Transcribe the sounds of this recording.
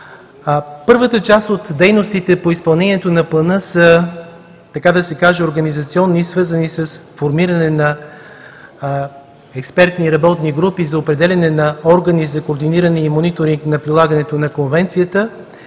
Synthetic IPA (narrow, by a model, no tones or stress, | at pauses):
pɤɾvət̪ət͡ʃast̪ot̪d̪ɛjnost̪it̪ɛpoispɐlˠnɛniɛt̪onɐplˠɐnɤsə | t̪ɐkad̪ɐsɛkaʒɛoɾɡənizɐt̪siɔnːisvɤɾzənisəsfoɾmiɾənɛnɐ | ɛkspɛɾt̪niːɾɐbɔt̪niɡɾupizɐopɾɛd̪ɛlʲɐnɛnɐɔɾɡənizɐkoːɾd̪iniɾənɛimonit̪oɾiŋknɐpɾilˠaɡɐnɛt̪onɐkonvɛnt̪sijət̪ə